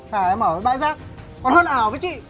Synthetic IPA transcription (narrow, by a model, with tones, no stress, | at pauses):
t̪ʰaː˨˩ɛ˧məː˧˩ə˨˦ɓa̰ː˧˨jzaː˦˥k̚ | kɔ˨˦nhəː˧nʔaː˨˩wvəː˨˦jt͡ɕḭ˧˨